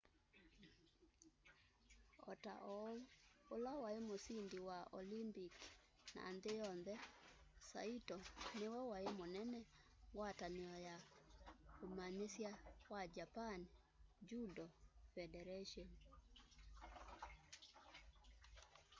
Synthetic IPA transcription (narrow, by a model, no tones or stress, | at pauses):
ɔ̰ta̰ʔɔ | olawaemosindiwao̰limpik | na̰ːndejɔnðɛsa̰itɔnewɛwaemonɛnɛ | ŋɡwataneɔja | komaɲesjawad͡ʒapan | d͡ʒudɔfɛdɛɾaʃiɔn